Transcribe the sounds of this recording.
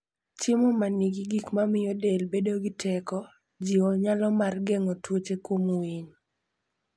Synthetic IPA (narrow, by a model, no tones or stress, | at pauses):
t͡ʃɪmɔmanɪɡɪɡikmamɪjɔdelbedoɡɪtʰɛkɔ | d͡ʒiɔɲalɔmarɡɛŋɔtwot͡ʃekwomwiɲ